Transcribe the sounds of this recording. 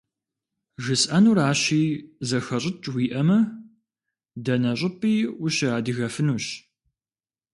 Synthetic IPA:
ʒɨsʔɐnuːɾaːɕiːzɐxɐɕʼɪt͡ʃʼwiːʔɐmɐ | dɐnɐɕʼɪpʼiːwʊɕɪaːdɨɣɐfɨnuːɕ

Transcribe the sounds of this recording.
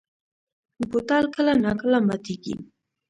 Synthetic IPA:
bot̪ɑlkəlanakəlamat̪iɡḭ

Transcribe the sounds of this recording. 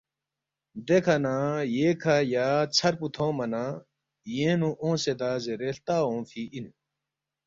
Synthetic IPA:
d̪ekʰɐnãːjeːkʰajaːt͡sʰɐɾput̪ʰõːmɐnãː | jẽːnũʔõːsed̪aːzeɾeːlt̪aːõːfʰiʔinu

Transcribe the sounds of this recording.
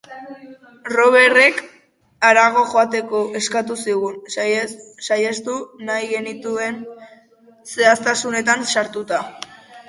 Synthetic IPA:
ro̞βe̞re̞k | aɾaɣ̞o̞ʝo̞at̪e̞ko̞ʔe̞skat̪usiɣun | sajest̪unajɣe̞nit̪ue̞n | se̞ast̪asune̞t̪̬ansaɾt̪ut̪a

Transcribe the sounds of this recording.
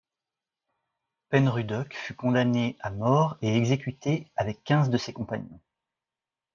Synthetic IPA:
pɛnʁyd̪ɔkfykɔ̃d̪aneamɔʁeɛɡzekʲyt̪eavɛkʲːɛ̃zd̪əsekɔ̃paɲɑ̃

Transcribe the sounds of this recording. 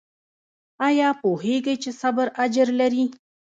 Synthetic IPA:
ajɑːpoheɡajt͡ʃesabəɾad͡ʒəɾlaɾi

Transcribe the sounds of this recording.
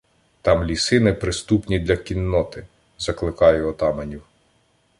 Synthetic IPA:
t̪ɑmlʲisɪnɪpɾɪst̪upnʲid̪lʲɐkʲinːɔt̪ɪ | zɐklˠɪkɑjʊɔt̪ɑmɐnʲiw

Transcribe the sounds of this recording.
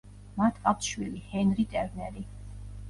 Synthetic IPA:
mat̪ʰkʼat̪ʃwilihɛnɾit̪ʼɛɾnɛɾi

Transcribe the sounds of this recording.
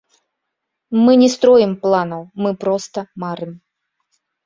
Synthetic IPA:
mɨnʲɛst̪ɾɔjɪmplˠanɐwmɨpɾɔst̪ɐmaɾɨm

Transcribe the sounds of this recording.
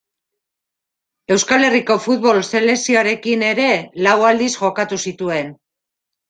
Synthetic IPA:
e̞wskale̞riko̞fut̪βo̞lse̞le̞sioaɾe̞kine̞ɾe̞lawald̪isʝo̞kat̪usit̪ue̞n

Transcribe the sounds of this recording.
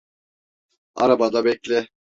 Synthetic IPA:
a̰ɾabad̪abɛclʲɛ

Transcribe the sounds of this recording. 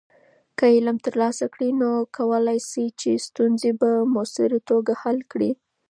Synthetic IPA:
kəɪlamt̪əɾlɑsakɽinokʰawəlajsit͡ʃest̪unzebamosɪɾit̪oɡahalkɽi

